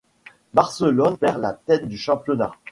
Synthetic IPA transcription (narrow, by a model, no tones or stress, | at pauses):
baʁsəlɔnpɛʁla̰t̪ɛt̪̚d̪yʃɑ̃pjɔna̰